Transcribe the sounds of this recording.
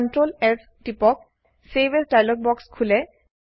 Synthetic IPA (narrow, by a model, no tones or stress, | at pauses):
ntɹolɛpʰ | tipɔk̚ | sebesdajlɔk̚bɔkskʰulɛ